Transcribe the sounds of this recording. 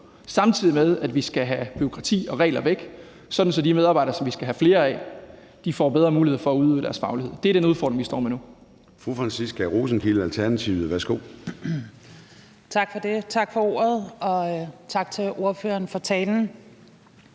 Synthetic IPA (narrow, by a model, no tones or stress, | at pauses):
sɑ̈mt͡sʰið̞̰ˠimeðˠæd̥ʋisɡ̥æɦæb̥yo̝kʰʁɑ̈t͡sʰḭːɒ̽ʁɛ̰ːlɐʋeɡ̥ | sɒ̽d̥n̩sɒ̽dimeð̞ˠɑ̈b̥ɑ̈ɪd̥ɐsɒ̽mʋisɡ̥æɦæfle̝ːɐɛ̰ | d̥ifɒ̰b̥eð̞ˠʁɐmuːliḛfɒæuðˠø̰ːd̥æɐsfɑ̈ʊlie̝ð̰ˠd̥e̝æɐɾ̥enuðˠfɒɔːd̥ʁeŋʋisd̥ɒ̰ːmenu | fʁufʁɑnsisɡ̥æʁoːsn̩kʰil̩ælt͡sʰæɐnæt͡sʰḭːʊð̩ˠʋæɐsɡ̥o̝̰ː | t͡sʰɑ̈ɡ̥fɒd̥e̝t͡sʰɑ̈ɡ̥fɒo̝ːɐð̩ˠɒ̽t͡sʰɑ̈ɡ̥̚t͡sʰe̝ʔo̝ɐføːɐnfɒt͡sʰɛːln̩